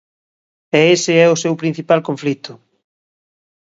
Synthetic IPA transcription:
ɛesɪɛʊsewpɾin̟θipalkoɱflit̪ʊ

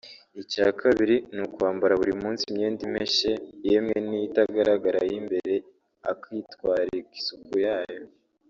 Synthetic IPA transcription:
icaːkʰaβiɾinukuaːmbaɾaβuɾimuːnsimɲeːndime̞ʃe̞jemŋenijitaɡaɾaɡaɾa̰jimbe̞ɾe̞ | a̰kiːtwaːɾiɡi̥sukujaːjo

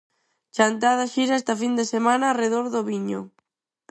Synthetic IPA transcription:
t͡ʃant̪aðaʃiɾɛst̪afind̪esemãnaːreðoɾðoβiɲo̰

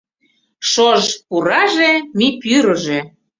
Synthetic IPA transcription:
ʃoʒpuɾɑʒemipyɾəʒe

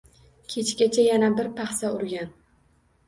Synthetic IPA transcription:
kʲʰe̞t͡ʃɡʲat͡ʃʰajanabɪɾpʰaχsaʊɾɡʲan

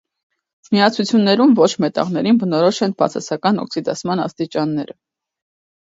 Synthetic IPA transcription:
miɑt͡sʰut͡sʰjunːɛɾumvɔt͡ʃʰmɛt̪ɑ̰ʁnɛɾinbənɔɾɔʃɛnbɑ̰t͡sʰɑ̰sɑkɑnɔ̰ksid̪ɑt͡sʰmɑnɑ̰st̪it͡ʃɑnːɛɾə

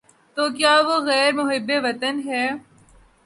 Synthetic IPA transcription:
t̪oːkjaːʋoɣɛːɾmʊɦɪbːeʋɐt̪ənɦɛː

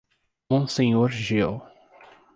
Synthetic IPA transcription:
mõsẽɲoɾʒew

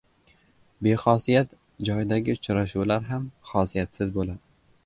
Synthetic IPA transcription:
be̞χɒsijat̪ | d͡ʒɒjd̪aɡʲɪʊt͡ʃɾaʃuwlaɾɦamχɒsijat̪sɪzbolad̪ɪ

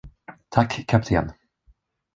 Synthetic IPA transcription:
t̪ʰakʰːapt̪ʰḛːn

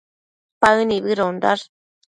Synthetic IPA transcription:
paɯniβɯɾond̪aɾ

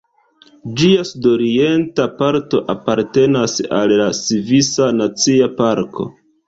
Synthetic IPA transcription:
d͡ʒiasudo̞ɾie̞ntapaɾto̞ʔapaɾte̞nasa̰lːasivisanat͡siapaɾkʰo̞̰

